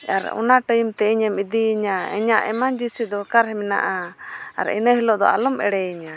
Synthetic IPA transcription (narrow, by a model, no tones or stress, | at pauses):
a̰ɾɔ̰naʈəjumt̪ɛiɲɛmid̪iɲaɛ̰ɲaʔɛmaɲd͡ʒisid̪ɔkaɾɦɛmɛna̰ʔa̰ːɾɛ̰nəɦilɔʔd̪ɔ̰ʔa̰lɔmɛ̰ɽɛiɲa